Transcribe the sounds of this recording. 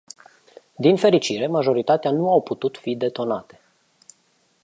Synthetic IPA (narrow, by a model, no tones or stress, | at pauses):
d̪infe̞ɾit͡ʃiɾe̞maʒo̞ɾit̪at̪eanuawput̪ut̪fid̪e̞t̪o̞nat̪e̞̥